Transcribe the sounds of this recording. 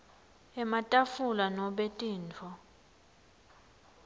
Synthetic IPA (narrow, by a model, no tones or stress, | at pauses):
ɛmatʼafulanɔɓetʼiːnt͡fʰɔ